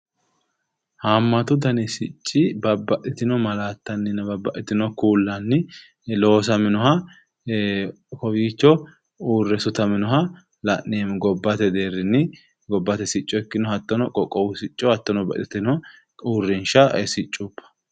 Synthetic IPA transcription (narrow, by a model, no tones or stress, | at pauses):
haːmːɐt̪ʊd̪ɐnɪsɪt͡ʃʼːɪbɐbːɐʔɪt̪ɪnɔmɐlaːt̪ːɐnːɪnɐbɐbːɐʔɪt̪ɪnɔkuːlːɐnːɪ | lo̞ːs̬ɐmɪnɔhɐ | kɔwiːt͡ʃːɔ | uːrːɛsʊt̪ɐmɪnɔɦɐ | lɐʔnemɡɔbːɐt̪ɛd̪e̞ːrɪnːɪ | ɡɔbːɐt̪ɛsɪt͡ʃʼːɔɛkːɪnɔhɐt̪ːɔnɔkʼɔkʼɔwʊsɪt͡ʃʼːɔhɐt̪ːɔnɔbɐ̰ʔɪt̪ɪnɔ | uːrːɪnʃɐsɪt͡ʃʼːupːɐ̥